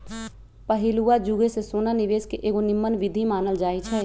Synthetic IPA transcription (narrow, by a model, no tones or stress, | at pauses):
pəɦɪluad͡ʒuɡesesoːnanɪʋeːskeʔeːɡonɪmːənʋɪd̪ʱimaːnəld͡ʒaːit͡ʃʰɛː